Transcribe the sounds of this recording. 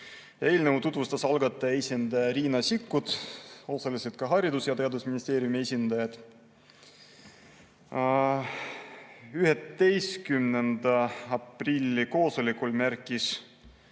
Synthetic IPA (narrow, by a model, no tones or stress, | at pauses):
e̞ːlnevut̪ut̪vust̪ɑsɑlɡɑt̪ˑːɑesʲind̪̥ɑjɑɾiːnɑsikːud̪̥o̞sɑliset̪̚kɑɦɑɾid̪usjɑt̪e̞ɑd̪usminist̪e̞ːɾjumiesʲind̪ɑjɑd̪̥ | yɦet̪ːe̞jskymnend̪ɑɑprilʲːiko̞ːso̞lʲikːulmæɾkːˑis